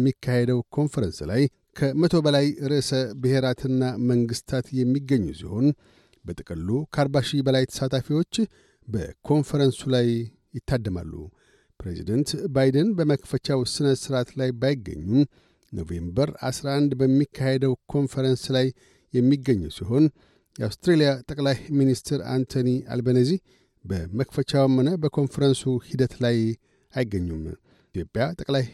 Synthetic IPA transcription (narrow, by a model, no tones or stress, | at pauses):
mːikʰːahed̪əwkʰo̞nfəɾənslaj | kʰəmət̪ʰo̞bəlajɨɾɨsəbɨhe̞ɾat̪ʰɨnːaməŋɡɨst̪ʰat̪jɛmːiɡːəɲːṵsḭho̞n | bət̪ʼɨkʼɨlːukʰəaɾbaʃibəlajt̪ʰə̥sat̪ʰafiwo̞t͡ʃː | bə̰kʰo̞nfəɾənsulajː | ɪt̪ːad̪ːəma̰lːṵ | pɾḛzḭd̪ənt̪bajd̪ənbəməkfət͡ʃawsɨnəsɨɾat̪lajbajɪɡːə̰ɲːum | no̞̰vḛmbəɾa̰sɾaʔand̪bəmːikʰːahed̪əwkʰo̞nfəɾənslajː | ɛmːiɡːəɲːuwsiɦo̞n | jawst̪ɾelijat̪ʼəkʼlajminist̪ʰɾa̰nt̪ʰonia̰lbənəzih | bəməkfət͡ʃawmənəbəkʰo̞nfəɾənsuhid̪ət̪laj | ajɪɡːəɲːum | jopʼjat̪ʼəkʼlaj